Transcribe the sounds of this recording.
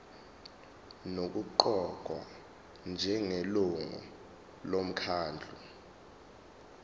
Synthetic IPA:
nok̬uǃɔɡ̥ʱwa | nd͡ʒʱɛŋeluŋɔ̰ | lom̩kʰaːnd͡ɮʱu

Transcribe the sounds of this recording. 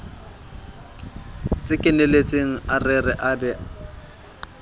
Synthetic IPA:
t͡sʼɪkʼɪnelet͡sʼeŋ̩arɪrɪʔabɛ

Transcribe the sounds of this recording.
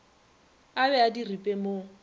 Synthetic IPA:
abɛadiripʼemo

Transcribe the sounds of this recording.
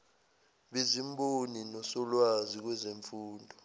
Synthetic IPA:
ɓezimboninɔsɔlwazik̬wɛzeɱfuːndʱɔ

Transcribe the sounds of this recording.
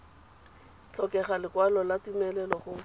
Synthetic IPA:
t͡ɬʰɔkɛχalɪkwalɔlatumɛlɛlɔχʊ

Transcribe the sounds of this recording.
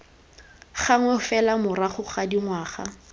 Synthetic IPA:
χaŋwɛʊfɛlamʊraχʊχadiŋwaːχa̰

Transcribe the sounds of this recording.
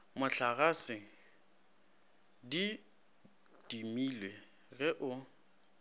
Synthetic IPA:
mʊɬaɣasɪ | di | d̥imiːlwe | ɣɛʔʊ

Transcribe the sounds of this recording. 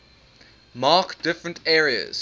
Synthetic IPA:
mɑːkd̥ɪfɹə̃ntʰɛːɹiə̰z̥

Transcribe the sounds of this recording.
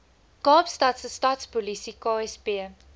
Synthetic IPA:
ɡ̥ɑːbstatsəstɑtspɔlisikɑːɛspiə

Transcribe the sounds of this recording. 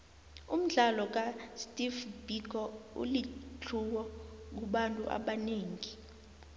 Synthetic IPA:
um̩ɮalɔk̬astʼivbikʰɔṵlit͡ɬʰuwɔk̬uɓantʼṵʔa̰ɓaneːŋi

